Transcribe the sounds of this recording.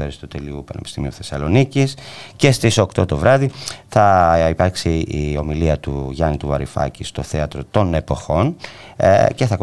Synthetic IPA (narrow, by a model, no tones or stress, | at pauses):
eɾist̪ut̪eliupɐne̞pi̥st̪imiuθe̞sɐlo̞nicisce̞st̪iso̞kt̪o̞t̪o̞vɾɐðiθɐipɐɾksiio̞miliɐt̪uʝɐnit̪uvɐɾifɐ̰cist̪oθe̞ɐt̪ɾot̪o̞ne̞po̞xo̞n | ce̞θɐk